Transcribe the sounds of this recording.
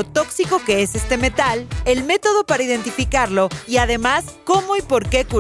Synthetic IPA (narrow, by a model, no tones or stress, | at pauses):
ot̪o̞ksiko̞ke̞e̞se̞st̪e̞me̞t̪ale̞lme̞t̪o̞ð̞o̞paɾaiðe̞nt̪ifikaɾlo̞iað̞e̞masko̞mo̞ipo̞ɾke̞ku